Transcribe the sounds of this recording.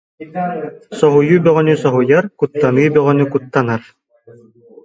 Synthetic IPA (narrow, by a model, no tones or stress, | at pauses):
sɔɦujubœʁœnysɔɦujaɾkut̪ːanɯːbœʁœnykut̪ːanaɾ